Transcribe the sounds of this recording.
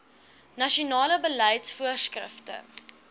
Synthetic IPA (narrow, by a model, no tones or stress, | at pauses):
nɐʃiunɑːləbəlɛjtsfuərskrə̰ftə̰